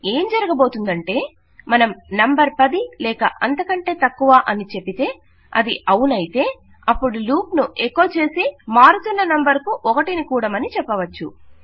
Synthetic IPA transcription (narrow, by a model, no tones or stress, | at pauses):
e̞ːmd͡ʒɐɾɐɡɐbo̞ːt̪und̪ɐɳʈe̞ː | mɐnɐmnɐmbɐɾpɐd̪ilɛːkɐʔɐnt̪ɐkɐɳʈe̞ːt̪ɐkːuʋaːʔɐnit͡ʃe̞bit̪e̞ː | ɐ̰d̪iʔɐwunɐjit̪e̞ː | ɐpːuɽuluːpnuʔekːo̞ːt͡ʃe̞ːsimaːɾut̪unːɐnɐmbɐɾkuʔɔkɐʈinikuːɽɐmɐnit͡ʃɛpːɐʋɐt͡ʃːṵ